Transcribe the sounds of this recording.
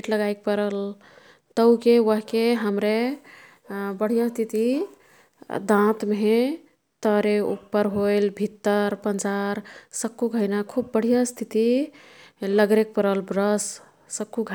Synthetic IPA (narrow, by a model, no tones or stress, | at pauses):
ʈləɡaek̚pəɾəl | t̪əwkeʋəɦkeɦəmɾe | bəɽ̤ijast̪ʰit̪i | d̪ãt̪m | t̪əɾeṵpːəɾɦojlbʱit̪ːəɾpənd͡ʒaɾsəkːuɡʱəjnakʰubːəɽ̤ijast̪ʰit̪i | ləɡɾek̚pəɾəlbɾəsː | əkːuɡʱ